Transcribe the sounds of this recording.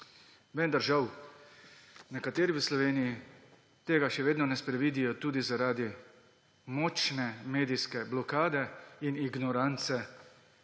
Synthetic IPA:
ʋɛnd̪aɾʒaw | nɛkat̪eːɾiʋəslɔʋeːniji | t̪eːɡaʃɛʋeːd̪nɔnɛspɾɛʋiːd̪ijɔt̪uːd̪izaɾaːd̪i | mɔːt͡ʃnɛmeːd̪iskɛblɔkaːd̪ɛiniɡnɔɾant̪sɛ

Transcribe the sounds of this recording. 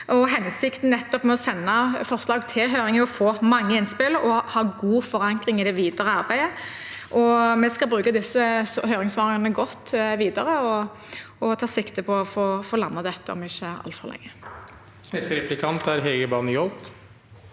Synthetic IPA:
ʔɔɦɛnsɪkt̪n̩nɛt̪ːɔpmɛɔsɛnːɑfɔʁslɑːɡt̪ʰɪlɦøːɾɪŋəɔfoːmɑŋːəɪnspɪlɔhɑːɡuːfɔɾɑŋkʁɪŋɪd̪ɛʋiːd̪əʁəɑɾbæɪd̪əʔɔmɛskɑlbɾʉːkɑd̪ɪsːəshøːɾɪŋsʋɑːʁɪŋɑnəɡɔt̪ːʋiːd̪ɑɾəɔ | ɔt̪ʰɑːsɪkt̪əpʰɔɔfoːfoːlɑnːɑd̪ɛt̪ːəɔ̰mɪçːəɑ̰lt̪fɔʁlʔɛ̰ŋːə | mɛst̪ɾɛplɪkʰɑnt̪æɾɦɛɡəbɑːnəjɔlt̪

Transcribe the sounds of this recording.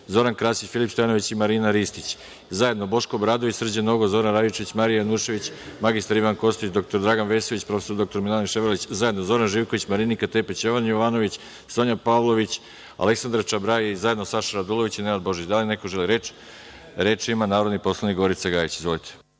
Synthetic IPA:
zo̞ɾankɾaːsit͡ɕfilipst̪oanoʋit͡ɕimaɾiːnaɾist̪it͡ɕ | zaje̞d̪no̞bo̞ʃko̞bɾaːd̪oʋisr̩d͡ʑenoɡozo̞ɾanɾajit͡ʃe̞ʋit͡ɕmaɾijanuʃe̞ʋit͡ɕmaɡist̪aɾiʋanko̞st̪it͡ɕd̪o̞k̚t̪oɾd̪ɾaɡanʋe̞soʋit͡ɕpɾo̞fe̞sod̪o̞kt̪o̞ɾminalniʃeʋɾolit͡ɕzaje̞d̪nozo̞ɾanʒiːʋko̞ʋit͡ɕmaɾinikat̪e̞pet͡ɕjo̞ʋanjoʋano̞ʋit͡ɕ | soɲapaʋlˠo̞ʋit͡ɕ | a̰le̞ksand̪ɾat͡ʃabɾajiizaje̞d̪no̞saʃaɾad̪ulˠo̞ʋit͡ɕinenad̪bo̞ʒit͡ɕd̪aline̞ko̞ʒe̞liɾet͡ʃ | ɾe̞t͡ʃimanaːɾo̞d̪nipo̞slˠanikɡoɾit̪saɡaːjit͡ɕizʋo̞lit̪ʰe̥

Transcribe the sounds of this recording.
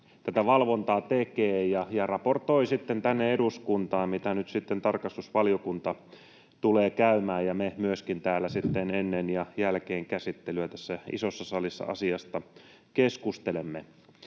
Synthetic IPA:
t̪æt̪æʋɑlʋont̪ɑːt̪ekeːjɑjɑrɑport̪o̞isit̪ːent̪ænːeeduskunt̪ɑːmmit̪ænyt̪sit̪ːent̪ɑrkɑst̪usʋɑljokunt̪ɑ | t̪uleːkæymæːjjɑmemyøskint̪æːlːæsit̪ːenenːenjɑjælkeːŋkæsit̪ːelyæt̪æ̥sːæḭsosːɑsɑlisːɑ̰ʔɑ̰siɑst̪ɑ | keskust̪elemːe

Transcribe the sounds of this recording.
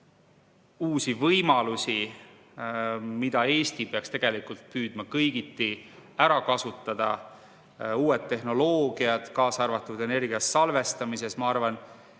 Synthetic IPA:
uːsivɤjmɑlusi | mid̪̥ɑe̞ːst̪ipeɑkst̪e̞ɡ̥e̞likult̪̚pyːd̪̥mɑkɤjɡ̥it̪ːˑiæɾɑkɑsut̪ːˑɑd̪̥ɑ̰ | uːe̞t̪ːe̞ɦno̞loːɡ̥iɑd̪̥kɑːsɑrvɑt̪ːˑud̪̥e̞ne̞rɡ̥iɑssɑlve̞st̪ɑmise̞smɑɑrvɑn

